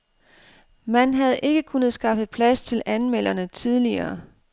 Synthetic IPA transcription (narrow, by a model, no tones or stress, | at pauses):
mænɦæð̩ˠʔe̝ɡ̥əkʰunəðˠsɡ̥ɑ̈fð̩ˠpʰlæst͡sʰe̝lʔænmel̰ɐnət͡sʰið̞ˠliɐː